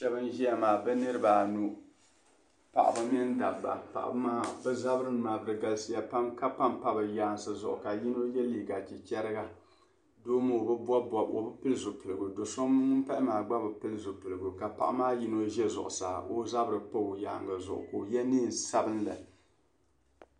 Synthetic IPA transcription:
ʃɛ˦bɨ˦n˦ʒi˦ja˨maː˨bɛ˦nɨ˦ɾɨ˦baː˨nu˦ | pa̰˨ʔa̰˨ba˦m˦ɛ˦n˦da˨bːa̰˨pa̰˨ʔa̰˨bɨ˦maː˦bɛ˦za˦bɾɨ˦ma˨bɨ˦ɾɨ˦ɡa˨lsi˦ja˦pa˦mka˦pa˦mpa˦bɨ˨jaː˨˦n˨sɨ˨zʊ˨ʔʊ̰˨ka˨ji˦no˦jɛ˦liː˨ɡa˨t͡ʃi˨t͡ʃɛ˦ɾɨ˦ɡa˦ | doː˦mo˦o˨bɨ˦bɔ˦bɔ˦bo̰˨bɨ˦pɨ˦lɨ˦zʊ˨pɨ˨lɨ˨ɡu˨do˨so˦m˦ʊ˦pa˦ʔɪ˦maː˨ɡ͡ba˦bɨ˨pɨ˦lɨ˦zʊ˨pɨ˨lɨ˨ɡu˨ka˨pa̰˨ʔa̰˦maː˦ji˦no˦ʒɛ˦zʊ̰˨ʔʊ̰˨sa̰ː˨ʔo˦za˦bɨ˦ɾɨ˨po˦˨jaː˨ŋɡa˨zʊ̰˨ʔʊ̰˨ko˨jɛ˦niː˦˨n˨sa˦bɨ˦n˦la̰˨

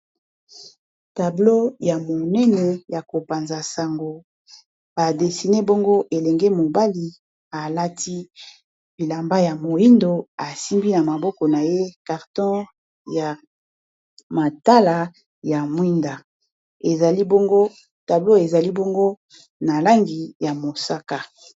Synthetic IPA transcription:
ta˨blo˦ja˨mo˨nɛ˦nɛ˨ja˨ko˨pa˨nza˨sa˨ŋɡo˨ | b̥a˨de˨si˨ne˦bɔ˦ŋɡo˦ʔe˨lɛ˨ŋɡɛ˦mo˨ba˦li˨ | a˨la˦tʰi˦ | b̥i˨la˨mba˦ja˨mo˨ji˦ndo˨a˨si˦mbi˦na˨ma˨bɔ˦kɔ˨na˨je˦ka˨ʁtɔ̃˦ | ja˨ | ma˨ta˦la˨ | ja˨mwi˦nda˨ | e˨za˨li˦bɔ˦ŋɡo˦ | ta˨blo˦e˨za˨li˦bɔ˦ŋɡo˦ | na˨la˦ŋɡi˨ja˨mo˨sa˦ka˨

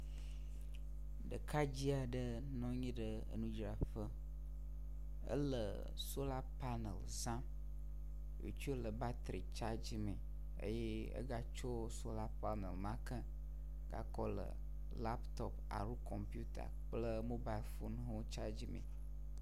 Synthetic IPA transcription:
ɖə̰˨kʰa˦d͡ʑi˦a˨ɖə˦ | nɔ̃˦ɲĩ˦ɖə˨ə̰˨nũ˦d͡ʒɾa˨fə˦ | ə̰˦lə̰˨ | so˦la˦pa˦nə̰˨l | zã˦ | jo̰˨t͡ʃu˦o˦lə˨ba˦t̪ɾi˨t͡ʃa˦d͡ʑi˦mẽ˨ | ə̰˦je˦ | ə̰˦ɡa˦t͡ʃo˦ | so˦la˦pa˦nə˨lmã˦kə̃˦ | ɡa̰˨kɔ˦lə̰˨ | la˦pt̪ɔ˨p | a̰˨ɾu˦kɔ˨mpju˦t̪a̰˨k͡plə˦mo˦ba˦i˨lfo˦n˦ɦo˦t͡ʃa˦d͡ʑi˦mḛ̃˨

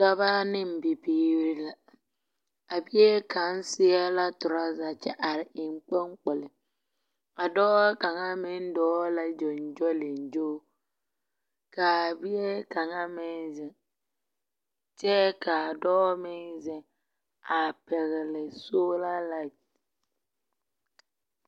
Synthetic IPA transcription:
ta˦βa˦nɪ˦m̩˨bi˨biː˦ɾɪ˦la˦ | a˨bi˦e˦ka˨n̩˦sɪ˦a˦la˦tʊ˨ɾa˦za˨t͡ʃɛ˦ʔa˨ɾɪ˨ɪ˨ŋ͡mk͡pe˦ŋ˦k͡pʊ˨lɪ˨ | a˨dɔː˦ka˨ŋa˦mɪ˦n˦dɔː˦la˦d͡ʒɔ˨n˨d͡ʒɔ˦lɪ˨n̩˨d͡ʒoː˦ | ka˨bi˦je˦ka˨ŋa˦mɪ˦nzɪ˨ŋ | t͡ʃɛ˦ka˨dɔː˦mɪ˦nzɪ˦ | a˨pɛ˨ɣɪ˨lɪ˨so˦la˦la˦

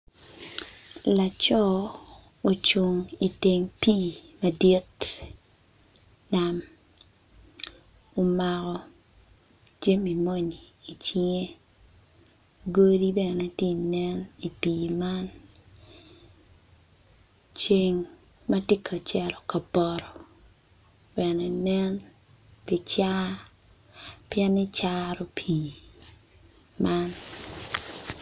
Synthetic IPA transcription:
la˨t͡ʃɔ˦ | o˨t͡ʃu˨ŋi˨te˨ŋpi˦˨ma˨di˦t | na˦m | o˨ma˨kɔ˨ | d͡ʒe˦mi˨mo˦ɲiː˨t͡ʃi˦ŋe˦ | ɡo˦ɾi˦bɛ˨nɛ˦ti˦˨nɛ˦ni˨piː˨ma˦n | t͡ʃe˨ŋ | ma˦ti˦kʰa˨t͡ʃɛ˦lɔ˨ka˨bɔ˨ɾɔ˨ | b̥ɛ˨nɛ˨nɛ˦n | pi˨t͡ʃa˦ | pjɛ˦ni˦t͡ʃaɾɔ˦pʰi˨ | ma˦n

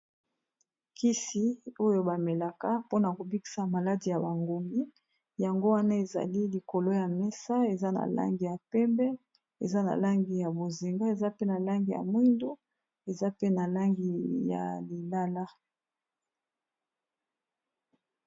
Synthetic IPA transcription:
ki˦si˦o˦jo˦ba˨me˨la˨ka˦po˦na˨ko˨bi˦ki̥˨sa˨ma˨la˦di˨ja˨ba˨ŋɡo˨mɡi˦ | ja˨ŋɡo˦wa˦na˦e˨za̰˨li˦li˨ko˨lo˦ja˨mɛ˦sa˦e˨za˦na̰˨la̰˦ŋɡi˨ja˨pɛ˦mbɛ˦ | ḛ˨za˦na̰˨la˦ŋɡi˨ja˨bo˨zi˨ŋɡa˦e˨za˦pe˦na˨la˦ŋɡi˨ja̰˨mwi˦ndu˦ | e˨za˦pe˦na˨la˦ŋɡi˨ja̰˨li˨la˦la˦

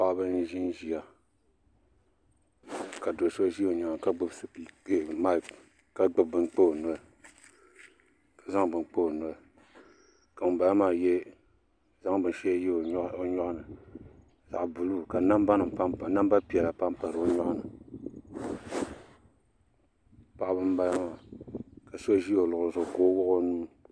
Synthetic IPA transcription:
pa˦˨˦bɨ˦n˦ʒi˦n˦ʒi˨a˨ | ka˨do˨so˦ʒi˦o˨ɲa˨ŋ˨ka˦ɡ͡bɨ˦bsɨ˨pi˨˦˨ma˦˨ | ka˦ɡ͡bɨ˦b̚bɨ˦n˦k͡po˦o˨nɔ˨˦lɨ˦ | kḁ˨za˦ŋbɨ˨nk͡po˦o˨nɔ˨˦lɨ˦ | ka˨mɨ˨ba˨la˦maː˨jɛ˦ | za˦ŋbɨ˨n˦ʃɛ˦jɛ˦˨˦o˦ɲɔ˦ʔnɨ˨ | za̰˨ʔbu˨lu˦ka˨na˦mba˦nɨ˨mpa˦˨na˦mba˦pi˨ɛ˨la˨pa˦mpa˨ɾɨ˨o˦ɲɔ˦ʔa˦nɨ˨ | pa˦ʔbɨ˦m˦ba˦la˦maː˨ka˨so˦ʒi˦o˨lʊ˨ʔʊ˨zʊ˨koː˦wʊ˦ʔo˦nuː˦

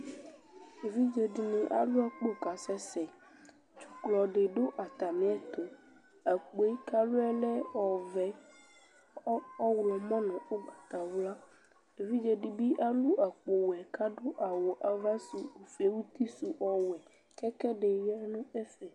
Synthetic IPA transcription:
e˨vi˦d͡ʒe˨ɖi˨nĩ˨ʔa̰˨lu˦a˦k͡po˦˨ka˨sɛ˦sɛ˨ | t͡ʃu˨klɔ˨ɖe˨ɖo˦ʔa˨t̪a˨mĩ˨˦ɛ˦t̪o˨ | a˨k͡po˨˦ka˦lo˦ɛ˦lɛ˦ɔ˨vɛ˨˦ | ɔ˦wlɔ˨mɔ̃˦nɛ̃˨o˦ɡ͡ba˨t̪a˨wla˦ | e˨vi˦d͡ʒe˨ɖi˦bi˦ʔa˦lu˦ʔa˨k͡po˨wɛ˨ka˦ɖo˦ʔa˨wo˨ʔa˨va˦su˨o˨fi˨e˦wu˦t̪i˦su˨ʔɔ˦wɛ˨ | kɛ˦kɛ˦ɖe˨jɛ˦nũ˦ɛ˦fɛ˨

